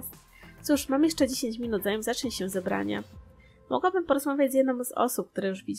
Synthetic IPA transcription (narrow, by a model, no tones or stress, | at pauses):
t̪suʂmamjɛʂt͡ʂɛd͡ʑeɕeɲt͡ɕmʲinud̪zajɛmzat͡ʂɛɲɕɛzɛbɾa̰ɲa̰ | mʔɔ̰ɡwabɘmpɔɾɔzmavʲjad͡ʑjɛd̪nɔmz̥ɔ̰sup̚kt̪uɾɛjuʐvʲid͡ʑ